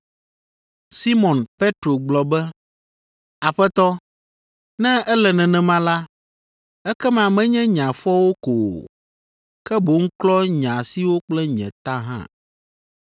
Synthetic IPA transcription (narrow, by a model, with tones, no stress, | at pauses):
si˦mɔ̃˨npe˦t̪ɾo˨ɡ͡blɔ˨bɛ˦ | a˨ɸɛ˦t̪ɔ˦ | nɛ̃˦ɛ˦lɛ˨nɛ̃˨nɛ̃˨mã˦la˦ | ɛ˦kɛ˦mã˨mɛ̃˦ɲɛ̃˦ɲã˨fɔ˦wo˦ko˨ | kɛ˦bo˨ŋ̩˦klɔ˦ɲã˨si˨wo˦k͡plɛ˦ɲɛ̰̃˨t̪a˦ɦã̰˦˨